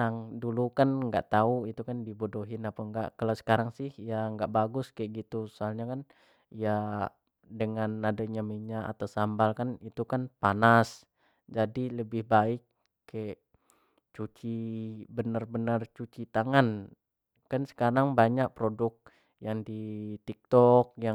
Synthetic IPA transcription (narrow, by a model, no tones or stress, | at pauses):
aŋdulukanŋɡa̰ʔt̪auit̪ukandibodoɦɪnapaŋɡa̰ʔkalawsə̥kaɾaŋsɪhijaŋɡaʔbaɡʊskaɛʔɡit̪ussoalɲakan | ija | dəŋanadaɲaməɲaʔa̰t̪asambalkanit̪ukanpanas | d͡ʒadiləbɪhbaɪkː | aɛʔ | t͡ʃut͡ʃibənərbənərt͡ʃut͡ʃit̪aŋan | kansə̥kaɾaŋbaɲaʔ̚pɾodʊk̚ | jaŋdit̪ik̚t̪ɔk̚ja